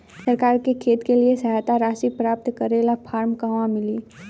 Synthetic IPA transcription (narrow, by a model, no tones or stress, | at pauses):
səɾkaːɾkekʰeːt̪keliesɐɦaːt̪aɾaːsipɾaːp̚t̪kəɾeːlapʰaːɾmkaːmãmɪli